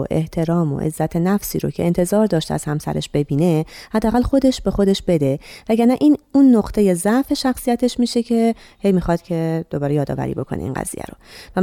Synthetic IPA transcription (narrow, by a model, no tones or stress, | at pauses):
oʔe̞ht̪ʰe̞ɾɒːmo̰ʔe̞̰zːæt̪ʰe̞næfsḭːɾocʰe̞ent̪ʰe̞zɒːɾd̪ɒːʃt̪eæ̰z̥hæmsæ̰ɾeʃb̥e̞biːne̞hæd̪ːæɣælxo̞d̪e̞ʃbe̞xo̞d̪e̞ʃb̥e̞d̪e̞væɟæɾnæʔiːnunːoqt̪ʰe̞jezæʔfe̞ʃæxsijæt̪ʰe̞ʃmiːʃe̞cʰe̞he̞jmixɒd̪̥cʰe̞d̪̥o̞bɒːɾejɒːd̪ɒ̰ːvæ̰ɾḭːbo̞kʰo̞̰nʔḛḭnɢæ̰z̥ḭːjæ̰ɾo̰væ